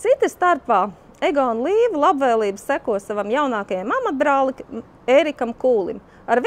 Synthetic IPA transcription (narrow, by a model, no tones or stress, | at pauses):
t̪sit̪ist̪aɾpaː | eɡɔunlˠiːʋulˠabvɛːlˠiːbsækuɔsavamjawnaːkajamamat̪̚bɾaːlˠikm | eːɾikamkuːlˠḭm | aɾv